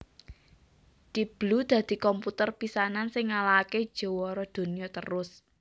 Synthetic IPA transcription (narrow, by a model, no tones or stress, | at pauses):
d̪̥ib̥lud̪̥ä̤d̪̥i̤kɔmput̪ərpisanansɪŋːalake̥ʒ̥o̤wɔɾɔd̪̥o̤nijɔt̪əɾʊs